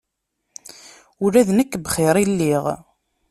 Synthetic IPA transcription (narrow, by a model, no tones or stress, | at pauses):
ʊɾæðnəkːbχeɾˤilːiʁ